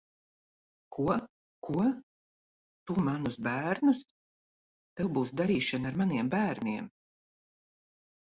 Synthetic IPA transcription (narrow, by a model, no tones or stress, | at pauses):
kʰu | kʰuɔ | t̪umanusbæːɾnus | t̪ɛwbuːsd̪aɾiːʃanaɾmaniɛmbæːɾniɛm